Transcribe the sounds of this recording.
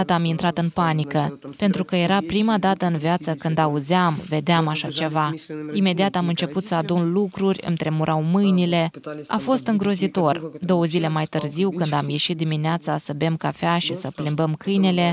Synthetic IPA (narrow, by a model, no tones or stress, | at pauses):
at̪əamint̪ɾat̪ɨnpanikəpe̞nt̪ɾukəje̞ɾapɾimad̪at̪əɨnvjat̪səkɨnd̪auzeamve̞d̪eamaʃat͡ʃe̞vaime̞d̪iat̪amɨnt͡ʃe̞put̪səad̪unlukɾurʲɨ̰nt̪ɾe̞muɾʔawmɨjnile̞a̰fo̞st̪ɨŋɡɾo̞zit̪o̞rd̪o̞wəzile̞majt̪ɨrziwkɨnd̪amje̞ʃit̪̚d̪imineat̪sasəbe̞mkafeaʃisəplimbəmkʰɨjne̞le̞